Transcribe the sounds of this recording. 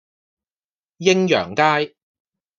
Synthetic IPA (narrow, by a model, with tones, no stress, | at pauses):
jɪ˥ŋjœ̰ː˨˩ŋkaː˥j